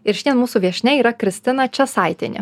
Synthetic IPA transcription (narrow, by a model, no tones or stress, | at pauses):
ɪɾʃʲɪnʲiɛnmuːsuʋʲiɛʃʲnʲɛiːɾɐkɾʲɪsʲt̪ʲɪnɐt͡ʃʲɛsɑɪt̪ʲenʲɪ̰